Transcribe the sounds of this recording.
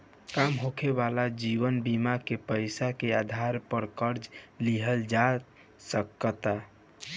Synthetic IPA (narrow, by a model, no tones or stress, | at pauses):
kamɦokʰebalad͡ʒiʋənbimakepəɪsakead̪ʱaɾpəɾkəɾd͡ʒliɦəld͡ʒa | səkət̪a